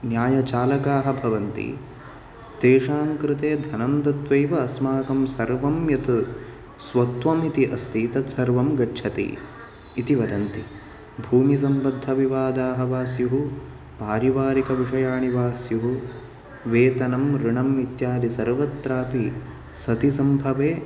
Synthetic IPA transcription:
njaːjɐt͡ʃaːlɐkaːɦɐ̆bʱɐʋɐnt̪ḭ | t̪eːʂaːŋkɾɪt̪eːd̪ʱɐnɐnd̪ɐt̪ʋɐjʋɐːsmaːkɐmsɐɾʋɐmjɐt̪ | sʋɐt̪ʋɐmit̪iʔɐst̪ʰiːt̪ɐt̪sɐɾʋɐmɡɐtːt͡ʃʰɐt̪ḭː | t̪iʋɐd̪ɐnt̪i | bʱuːmis̬ɐmbɐd̪ʱːɐʋiʋaːd̪aːɦɐʋaːsjuɦu | paːɾiʋaːɾikɐʋiʂɐjaːɳiʋaːsjuɦu | ʋeːt̪ɐnɐmɾɪɳɐmit̪jaːlisɐɾʋɐt̪ːɾaːpi | sɐt̪isɐmbʱɐʋeː

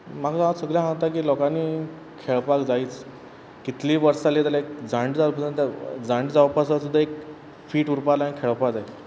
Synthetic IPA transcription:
makt̪aasəɡljãɦãwt̪akiːlɔkaniː | kʰeɭpakd͡zaiːt͡s | kit̪liːʋəɾsalet̪alaek̚d͡zaɳɖd͡zalpəsə̃nt̪ad͡zaɳɖd͡zaʋpasasud̪ʱːaek̚ | fiːʈuɾpalanikʰeɭpakd͡zai

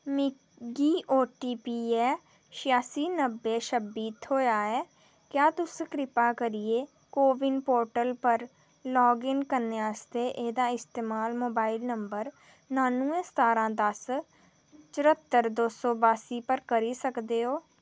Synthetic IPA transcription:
mɪ | ɡiːʔoːʈiːpiːɛː | ʃɪjaːsiːnəbːeːʃəbiːt̪ɦoːjaːɛː | kjaːt̪ʊskɾɪpaːkəɾieː | koːʋɪnpoːɾʈəlpəɾ | lɔːɡɪnkəɾneːəːst̪eːʔeːd̪aːɪst̪eːmaːlmoːbaːilnəmbəɾ | naːnũːẽːst̪aːɾãːd̪əs | t͡ʃəɾət̪ːəɾd̪oːsɔːbaːsiːpəɾkəɾiːsəkd̪eːɦoː

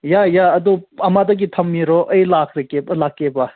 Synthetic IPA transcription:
jajaɐd̪uɐmad̪̬ɐk̬it̪ʰɐmːiɾoʔəjlaːkʰɾekelaːkːeba

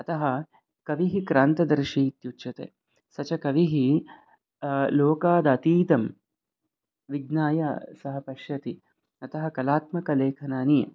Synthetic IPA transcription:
ɐt̪ɐɦɐ | kɐʋiɦikɾaːnt̪ɐd̪ɐɾʃit̪jutːt͡ʃɐt̪ḛː | sɐt͡ʃɐkɐʋiɦi | loːkaːd̪ɐːt̪iːt̪ɐm | ʋiɡnaːja̰sɐɦɐpɐʃjɐt̪i | ɐt̪ɐɦɐkɐlaːt̪mɐkɐleːkʰɐnaːnijɐ̰

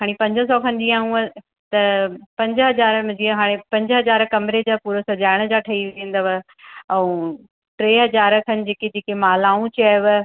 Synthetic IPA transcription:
ɦʰaːɽ̃ipɐ̃ɲd͡ʑəs̬ɔːkʰɐ̃nd͡ʑiaːũ | t̪ɐpɐ̃ɲd͡ʑəɦɐzaːɾmd͡ʑiɦaːɽ̃epɐ̃ɲd͡ʑəɦɐzaːɾkɐmɪɾed͡ʑaːpuːɾəsɐd͡ʑaːɪɽ̃d͡ʑaːʈʰɐiʋẽːn̆d̪aʋ | ɛũ | ʈɾeːɦɐzaːɾkʰɐnɪ̆d͡ʑeːked͡ʑeːkemaːlaːũt͡ɕʰaːʋ

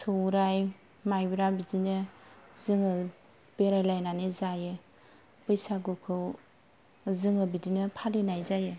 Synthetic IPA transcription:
sɯwɾaj | majbiɾabidinɯzɯŋɯ | beɾajlajnanezajɯ | pɯjsaɡukʰɯw | zɯŋɯbidinɯpʰaɾenajzajɯ

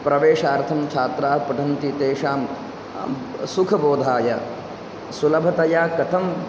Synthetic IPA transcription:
pɾɐʋeːʂaːɾt̪ʰɐmt͡ʃʰaːt̪ɾaːɦpɐʈʰɐnt̪it̪eːʂaːm | sukʰɐboːd̪ʱaːjɐ | sulɐbʱɐt̪ɐjaːkɐt̪ʰɐm

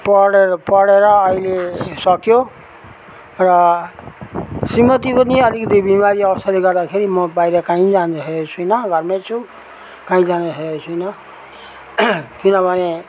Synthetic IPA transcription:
pʌɽpʌɽeɾʌːilesʌkjo | rʌ | simʌt̪ipʌniʌlikʌt̪ibimaɾiʌbʌst̪aleɡʌrd̪akʰeɾimʌbajɾʌkãĩd͡zanɦeot͡sʰujnʌɡʱʌrmet͡sʰu | kaĩd͡zaneseesʰujnʌ | kinʌbʱʌne

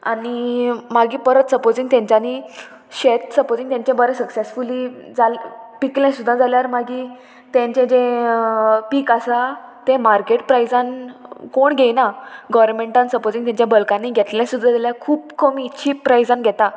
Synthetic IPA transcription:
a̰nimaɡĩːpəɾət̪səpod͡zĩŋɡt̪jãɲt͡ɕani | ɕet̪̚səpod͡zĩŋɡt̪jãɲt͡ɕẽbəɾə̃səksesfuliːd͡zalpikljãsud̪ʱːãd͡zaljaɾmaɡĩ | t̪jãɲt͡ɕẽd͡ʑẽ | piːkasat̪ẽmaɾkeʈpɾajd͡zãnkoɳɡʱejnaɡɔʋɾmẽɳʈãnsəpod͡zĩŋt̪jãɲt͡ɕabəlkanːiːɡʱɛt̪ljãsud̪ʱːãd͡zaljakʰuːpkʰəmiːtːɕʰiːpɾajd͡zãnɡʱɛt̪ã

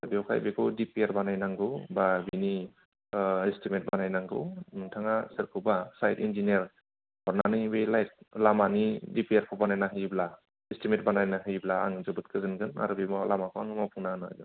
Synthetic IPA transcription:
ɾbiɔwkʰa̰jbekʰɯwdipiaɾbanajnaŋɡɯwbabini | istimet̚banajnaŋɡɯwnɯŋtʰaŋasɯɾkʰɯbasajtḭnd͡ʒinieɾ | hɔɾnanɯbelajt̚lamanidipiaɾkʰɔbanajnaɦɯjbla | istimet̚banajnaɦɯjblaa̰ŋɯzɯbɯt̚kʰɯzɯnɡɯna̰ɾbimɔlamakʰɔaŋɯmapʰuŋnanɯ̰dɯ

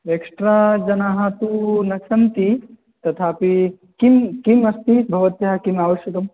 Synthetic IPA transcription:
eksʈɾaːd͡ʒɐnaɦɐt̪unɐt͡ʃʰɐnt̪i | t̪ɐt̪ʰaːpi | kimkimɐst̪ibʱɐʋɐt̪jɐɦɐkimaːʋɐʃjɐkɐm

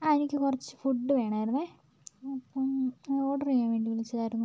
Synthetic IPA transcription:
ɐðinikʲːɨkurɐt͡ɕːɨ̥fuɖːɨʋe̞ːɳaːjiɾunːɨe | ɐpːomoːɽɐrijaːmʋeːɳɖiʋilit͡ɕːɐðaːjɾunːu

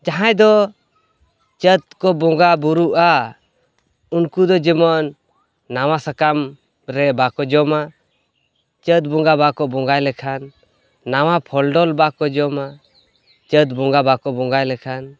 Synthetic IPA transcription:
d͡ʒaɦãjd̪ɔ | t͡ʃət̪̚kɔbɔŋɡabuɾuʔa | unkud̪ɔd͡ʒimɔnː | awasakam | ɾɛbakɔd͡ʒɔma | t͡ʃət̪̚bɔŋɡabakɔbɔŋɡajlɛkʰanː | awapʰɔlɖɔlbakɔd͡ʒɔma | t͡ʃət̪̚bɔŋɡabakɔbɔŋɡajlɛkʰan

